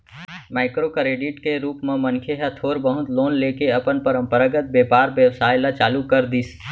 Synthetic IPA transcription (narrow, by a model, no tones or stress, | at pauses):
maːɪkɾokɾeːɖɪʈkeɾuːpmẽmənkʰeɦət̪ʰoːɾbəɦʊt̪loːnleːkeɐpənpəɾə̃mpəɾaɡət̪̚beːpaːɾbjəwsaːjlat͡ʃaːlukəɾd̪is